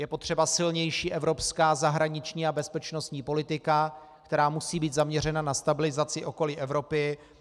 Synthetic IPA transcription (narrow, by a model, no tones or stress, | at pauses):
jɛpo̞t̪r̝̥ɛbasɪlɲɛjʃiːʔɛvɾo̞pskaːzaɦɾaɲɪt͡ʃɲiːabɛspɛt͡ʃno̞st̪ɲiːpo̞lɪt̪ɪka | kt̪ɛɾaːmusiːbiːt̪zamɲɛrɛnanast̪abɪlɪzat͡sɪʔo̞ko̞lɪʔɛvɾo̞pɪ